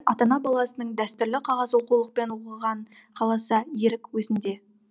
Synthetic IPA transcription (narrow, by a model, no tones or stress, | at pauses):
ɑt̪ɑnɑbɑlˠɑsənəɴd̪æst̪ʏɾlɪqʰɑʁɑzwo̞qulˠəq̚pe̞nwoqəʁɑɴ | qʰɑlˠɑsəje̞ɾɪkwɵzɪnd̪e̞